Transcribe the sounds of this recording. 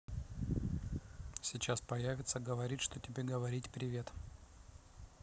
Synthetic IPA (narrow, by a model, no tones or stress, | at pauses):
sʲɪt͡ɕaspɐjavʲɪt̪səɡəvɐɾʲitʲʂt̪otʲɪbʲeɡəvɐɾʲitʲpɾʲɪvʲe̞t̪